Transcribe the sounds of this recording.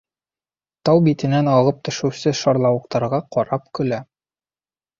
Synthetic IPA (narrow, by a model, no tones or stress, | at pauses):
t̪ɑwbit̪ɘ̆nænɒʁɤp̚t̪ɵ̆ʃɘ̆wsɘʃɒɾlˠɑwɤ̆q̚t̪ɑɾʁɑqɒɾɑpkɵ̆læ